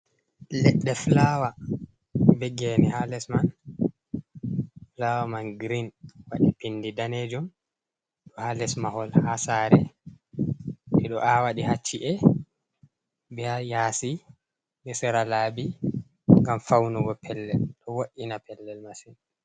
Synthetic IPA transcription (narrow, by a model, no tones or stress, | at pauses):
lɛɗːɛflawa | bɛɡɛmihalɛsman | flawamanɡɾinwaɗipindidaned͡ʒum | ɗɔhalɛsmahɔlhasaɾɛ | ɓɛɗɔʔawaɗihat͡ʃːiʔɛ | bɛhajaːsi | bɛsɛɾalaːbi | ŋɡamfawnuɡɔpʰɛlːɛ̰lɗɔwaʔːinapɛlːɛlmasin